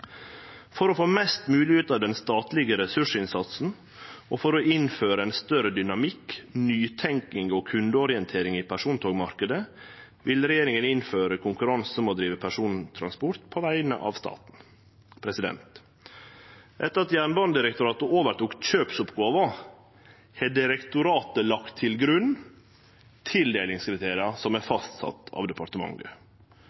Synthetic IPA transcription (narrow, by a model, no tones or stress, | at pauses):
fɔɾɔfoːmɛst̪mʉːlɪʉːt̪ɑd̪ɛnst̪ɑːt̪lɪɡəɾɛsʉʂɪnsɑt̪sn̩ | ofɔɾɔʔɪnføːɾəɛɪnst̪œɾəd̪ʏnɑmɪknyːt̪ʰɛŋkɪŋoːkʰʉnd̪əɔɾɪɛnt̪ʰeːɾɪŋiːpʰæʂuːnt̪ʰoːɡmɑɾkəd̪ə | ʋɪlɾɛjeːɾɪŋənɪnføːɾəkʰʊŋkʉɾɑnsəmoːd̪ɾiːʋəpʰæʂuːnt̪ʰɾɑ̰nspɔɾt̪pʰɔʋæɪnə̰ʔɑ̰ːʋst̪ɑ̰ːt̪n̩ | pʰɾɛsɪd̪ɛ̰nt̪ | ʔɛt̪ːəɾɑt̪jæːɳbɑnd̪ɪɾɛkt̪ʊɾɑːt̪əʔoːʋəɾʈ̪uːkt̪çøːpsʊpɡoːʋə | hɛɖɪɾɛkt̪ʊɾɑːt̪əlɑkt̪ʰːɪlɡɾʉnː | t̪ʰɪld̪eːlɪŋskɾɪt̪ʰeːɾɪɑsɔmæfɑst̪sɑ̰t̪ʰːɑ̰ːʋd̪ɛpʰɑɾʈ̪əmɑ̰ŋːə